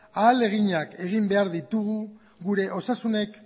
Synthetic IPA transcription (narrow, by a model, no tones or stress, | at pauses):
aːle̞ɣ̞iɲake̞ɣ̞imbe̞aɾðit̪uɣu | ɣuɾe̞ʔo̞sasune̞k